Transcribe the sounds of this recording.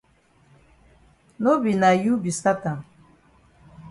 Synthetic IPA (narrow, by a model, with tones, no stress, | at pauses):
no˦bi˨na˨ju˦bi˨sa˦ka˨